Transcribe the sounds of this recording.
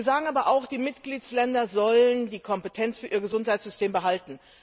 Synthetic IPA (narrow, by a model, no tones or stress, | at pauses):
ɐzaːɡŋ̩ʔaːbɐʔaʊxd̥iːmɪtɡ̥liːtslɛndɐzɔləndiːkʰɔmpətʰɛnt͡sfyːɐʔiːɐɡəzʊnthaɪtsz̥ʏstʰeːmbəɦaltn̩